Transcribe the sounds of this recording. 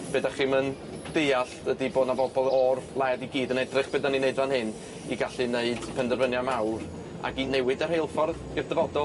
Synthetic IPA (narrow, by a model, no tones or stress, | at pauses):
b̥edaχiːmən | d̥ejaɬdədiboːdnavɔbɔlˠɔrvlˠɛdiɡiːdənɛdrɨχb̥edanineɨdvanhɪn | iɡaɬineɨd̥pʰɛndərvənjamawr | a̰ɡinɛwɨdər̥hejlˠfɔrð | ɪrdəvɔdɔlˠ